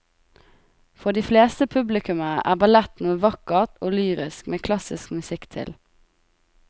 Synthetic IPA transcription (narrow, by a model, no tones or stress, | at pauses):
fɔd̪iːfleːst̪əpʰʉblɪkʉməʔæ̰ːʁbɑlɛt̪nuːəʋɑkəʁt̪oːlyːʁɪskmeːkʰlɑsɪskmʉsɪkt̪ʰɪ̰l